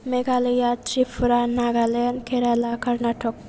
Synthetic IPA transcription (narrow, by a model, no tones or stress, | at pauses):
meɡaləjatɾipʰuɾanaɡalenkʰeɾalakʌɾnaʈʰɔk̚